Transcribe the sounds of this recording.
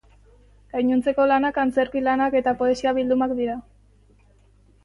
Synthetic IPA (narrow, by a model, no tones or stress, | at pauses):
ɡajɲunt͡se̞ko̞lanakant͡se̞ɾkilanake̞t̪apo̞esiaβ̞ild̪umakd̪iɾa